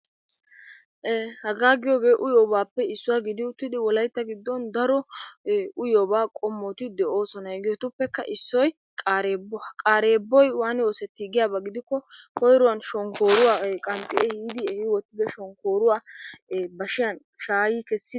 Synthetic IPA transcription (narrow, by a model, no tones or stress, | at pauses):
hɐɡaːɡɪjoːɡe̞ːʔʊjoːbaːpːɛɪsːʊwaɡɪd̪ɪʊt̪ːɪd̪ɪwɔlɐjt̪ːɐɡɪd̪ːɔnd̪ɐɾɔ | ʊjoːbaːkʼɔmːɔt̪ɪd̪ɛoːsɔnɐɛɡɪjɔt̪ʊpːɛkːɐʔɪsːɔj | kʼaːɾeːbɔkʼaːɾe̞ːbːɔjwaːnɪoːsɛt̪ːɪɡɪjaːbɐɡɪd̪ɪkːɔkɔjɾʊwɐnʃɔŋkoːɾʊwaːkʼɐnt̪ʼɪehiːd̪ɪɛhɪwɔt̪ːɪd̪ɛʃɔŋkoːɾʊwaː | bɐʃɪjɐn | ʃaːjiːkɛsːɪ